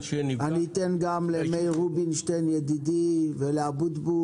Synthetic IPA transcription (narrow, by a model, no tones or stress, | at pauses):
nanit̪enɡamlemejʁubinʃtenjed̪id̪iveleabud̪bu